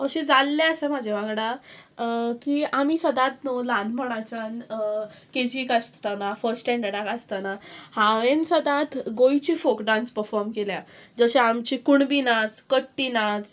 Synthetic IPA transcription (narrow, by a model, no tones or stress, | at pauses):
əɕẽd͡zalːeəsəmad͡ʑʱeʋaɡɽa | kiːamiːsəd̪at̪nolanməɽ̃at͡ɕan | ked͡ʑikast̪anafəɾsʈẽɳɖəɽakast̪anahaʋensəd̪at̪ɡojt͡ɕifokɖãnspəɾfɔɾmkeljad͡zəɕeamt͡ɕikuɳbinat͡skəʈːinat͡s